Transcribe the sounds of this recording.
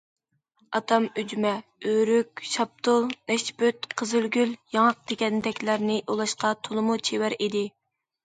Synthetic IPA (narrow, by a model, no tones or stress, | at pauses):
ɑt̪ʰɑmyd͡ʒymɛøɾykʲʃɑp̚t̪ʰʊlˠnɛʃbøt̪qʰəzylɡʲyljɑŋɑq̚d̪̥eɡʲɛnd̪ɛkʲlæɾnɪʔulˠɑʃqɑt̪ʰolˠɨmut͡ʃʰewæɾid̪ɪ